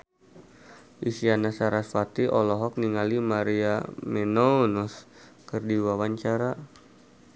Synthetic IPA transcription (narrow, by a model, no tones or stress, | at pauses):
ʔisianasaɾasfat̪iʔɔlɔɦɔk̚niŋalimaɾiamɛnɔnɔskɨrdiwawaɲt͡ʃaɾa